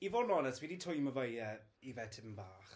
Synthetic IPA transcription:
ivɔnɔnəswiditʰʊjməvəjəivɛtʰəmbaːχ

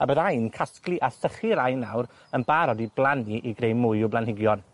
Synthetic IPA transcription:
abəðajnkʰasklˠɨʔasəχiɾajnawɾ | ənbaɾɔdiblˠaniʔiɡrejmʊɨʊblˠanhɪɡjɔn

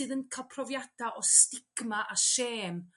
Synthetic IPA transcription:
ɨðənkʰalˠpʰrɔvjad̥aʔɔstɪɡ̥maʔaʃeːm

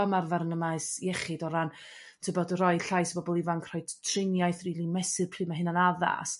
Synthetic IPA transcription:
amarvaɾnəmaɨsiɛχɨdɔɾan | tʰɨəbɔdərɔɨɬajsbɔbɔlˠivankʰrɔjdtʰrɪnjajθriːlˠimɛsɨrpʰr̥ɨːmaɦɪnanaða̰s

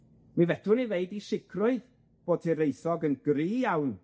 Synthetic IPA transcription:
mivɛdʊniveɨdisɪkʰrʊɨ | b̥oːtʰiɾejθɔɡənɡ̥riːjawn

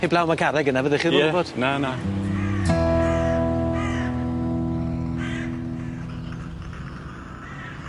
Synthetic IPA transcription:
eblˠawmaɡʰaɾɛɡənavəðɪχiːɔɛvɔd̥nana

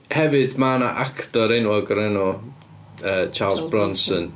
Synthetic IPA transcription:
hɛvɨdmaːna̰ʔakʰtɔɾɛnwɔɡɔɾɛnɔ | əːt͡ʃʰaːlˠsbrɔnsən

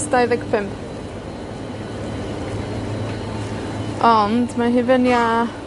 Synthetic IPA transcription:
sdajðɛɡpʰɪmp | ʔɔndmaɦɪvənja

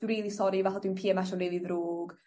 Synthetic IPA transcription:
uɾiːlˠisɔɾivaɬadwinpʰiːɛmaʃɔnreːliðroːɡ̥

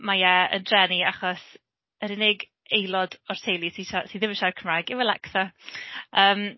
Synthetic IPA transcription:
majɛə̰ndrɛniaχɔs | əɾɪnɪɡ | ejlˠɔdɔrtʰejlˠisiːʃasiːðɪməʃakʰəmrajɡɪwəlɛ̰kθɔ | əːm

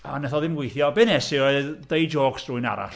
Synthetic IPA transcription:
anɛθɔðɪmɡwejθjɔbɪnɛsɪdejd͡ʒoːɡ̥sd̥ruːɨna̰ɾa̰ɬ

